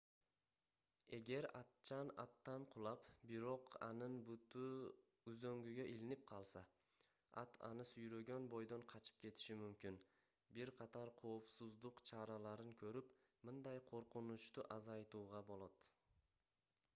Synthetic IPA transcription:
eɡʲe̞ɾat̪̚t͡ʃʰana̰t̪ːanqʰʊlˠapbɪɾoqa̰nɪnbʊʊ | ʊzɵŋɡʲyɡʲaʔilɪnɪp̚qʰɑlˠsa | a̰t̪ʰa̰nɪsʊjɾɵɡʲanbojd̪onqʰɑt͡ʃʰɪ̥p̚kʲʰe̞t̪ʰɪ̥ʃɪmʊmkʲɪn | bɪɾqʰɑt̪ʰaɾqʰowpsʊzlˠʊqt͡ʃʰaɾalaɾɪnkʲʰɵɾɪp | mʊnd̪ajqʰoɾqʰʊnʊt͡ʃt̪ʊʔazɑjt̪uwʁɑbolˠat̪

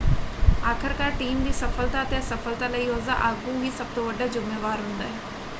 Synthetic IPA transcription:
aːkʰəɾkaːɾʈiːmd̪iːsəfʰəlt̪aːət̪esəfʰəlt̪aːləiːɦoːza̰ʔaːɡuːɦiːsəb̚t̪õːʋəɖaːd͡ʒʊmeːʋaːɾɦʊnd̪aːɦɛː

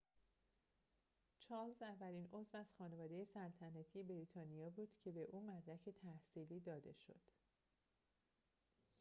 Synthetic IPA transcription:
t͡ʃʰɒːlzævːælino̞zvæz̥xɒːne̞vɒːd̪e̞je̞sælt̪ʰænæt̪ʰije̞beɾiːt̪ʰɒːnijɒːbuːd̪̥cʰe̞be̞ʔuːmæd̪ɾæcʰe̞t̪ʰæhsiːliːd̪ɒːd̪e̞ʃo̞̰d̪̥

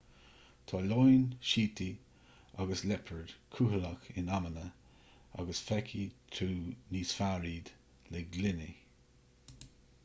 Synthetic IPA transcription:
t̪ʰɑːlɔjnʃiːtʰi | aɡəslɛpʰəɹd̪̥kʰuɦələxɪnamənə | a̰ɡəsfɛkʰit̪ʰuːniːsfaɹiːd̪̥ | lɛɡlɪnɪ

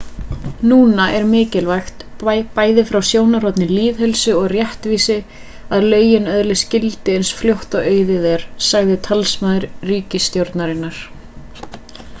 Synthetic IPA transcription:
nuːnaʔɛɾmɪːcɪlvajxt̪paːjðɪfɾawsjoːwnaɾɔt̪nɪliːðɦœlsʏɔɣrjɛht̪viːsɪ | aðlœːɥjɪnœðlɪscɪlt̪ɪejnsfljowht̪aœːɥðɪðɛɾ̥saɣðɪt̪ʰalsmaðʏɾriːcɪst̪jowɾt̪naɾɪnːaɾ̥

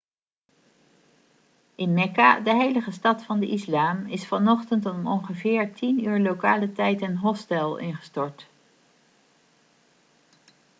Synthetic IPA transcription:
ʔɪnmɛka̰dəɦejləχəstɑtfɑndəʔislaːmɪsfɑnɔχtəntɔmɔ̰ŋχəvɪːɹtʰinyːɹlokaːlətɛjtənɦɔstɛlˠɪ̰nχə̥stɔɹt

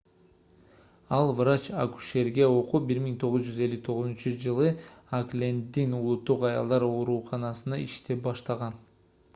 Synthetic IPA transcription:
ɑlˠvrat͡ʃa̰ku̥ʃe̞ɾɡe̞o̞qubiɾmiŋt̪ʰo̞ʁuzd͡ʒyze̞lʲːyt̪ʰo̞ʁʊzunt͡ʃud͡ʒɯlˠɯaklʲend̪inulˠut̪ːuqɑjɑ̰lˠd̪ɑɾo̞ɾuːqʰɑnɑsɯnɑiʃt̪e̞pbɑʃt̪ɑʁɑn

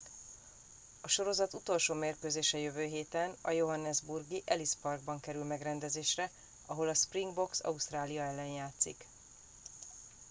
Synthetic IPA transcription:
ɒʃo̞ɾo̞zɒt̪ut̪o̞lʃoːmeːrkøːzeːʃɛjøvøːɦeːt̪ɛnɒ̰jo̞ɦɒnːɛzburɡiʔɛlispɒrɡ̚bɒŋkɛɾylmɛɡrɛnd̪ɛzeːʃrɛ | ɒɦo̞lɒspriŋɡbo̞ksɒ̰ust̪raːlijɒɛlːɛnjaːt̪sḭk

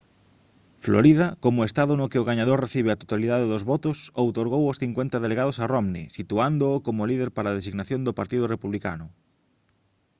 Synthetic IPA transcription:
flo̰ɾiðakomoest̪aðonokeoɣaɲaðoɾreθiβ̞eat̪o̥t̪aliðaðeðozβɔt̪osowt̪oɾɣ̞owosθiŋkwent̪aðeleɣað̞osaromnḭsit̪uand̪oːkomolið̞eɾpaɾað̞esiɣnaθjond̪opaɾt̪iðʊrepuβlika̰nʊ

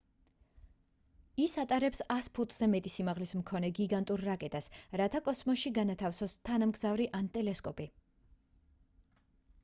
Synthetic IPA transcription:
isat̪ʼaɾɛpsaspʰut̪ʼz̥ɛmɛt̪ʼisimaʁlismkʰɔnɛɡiɡant̪ʼuɾːakʼɛt̪ʼasɾat̪ʰakʼɔsmɔʃiɡanat̪ʰafsɔst̪ʰanamɡzavɾiʔant̪ʼɛlɛskʼɔpʼi

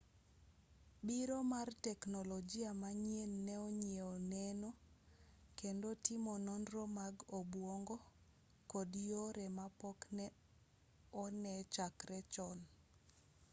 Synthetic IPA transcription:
biɾomartɛknɔlɔd͡ʒiamaɲienːɛoɲieonɛno | kendotimonɔnrɔmaɡobwoŋɡo | kɔdjoɾɛmapɔknɛ | ɔnɛt͡ʃakrɛt͡ʃɔn

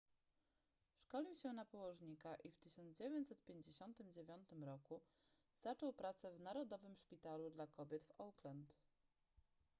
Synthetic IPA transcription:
ʂkɔlʲiwɕɛnapɔwɔʐɲikaʔift̪ɘɕɔnd̪d͡ʑevʲjeɲt͡ɕsɛt̪̚pʲjeɲd͡ʑeɕɔnt̪ɘmd͡ʑevʲjɔnt̪ɘmɾɔku | z̥at͡ʂɔwpɾat̪sɛvnaɾɔd̪ɔvɘmʂpʲit̪alud̪lakɔbʲjɛt̪fɔwklɛnt̪

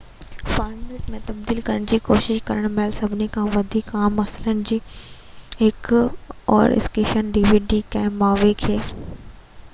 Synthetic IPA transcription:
faːɾmeːʈmẽt̪ɐbd̪iːlkɐɾəɽ̃d͡ʑiːkoːʃɪʃkɐɾəɽ̃mɛːlsɐbʱɪnekʰãʋɐd̪ʱikaːmɐslənɪ̆d͡ʑiː | ɦɪkɔ̰ːɾɪ̰skeːʃənɖiːʋiːɖikɛ̃ːmaːʋekʰeː

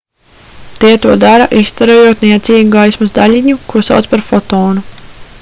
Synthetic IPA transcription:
t̪iɛt̪uɔd̪aɾɐʔist̪aɾojuɔt̪niɛt̪siːɡuɡajsmusd̪alʲiɲukusa̰wt̪spaɾfɔt̪ɔːnu

